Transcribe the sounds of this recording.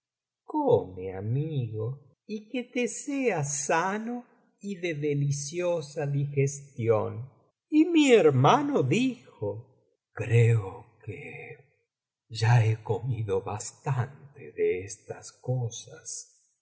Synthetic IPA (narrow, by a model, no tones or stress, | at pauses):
komeamiɣo | iket̪eseasano | iðeðelisjosaðixest̪jon | imieɾmanoðixo | kɾeokḛ | ʒaekomiðoβa̰st̪ant̪eðeest̪askosas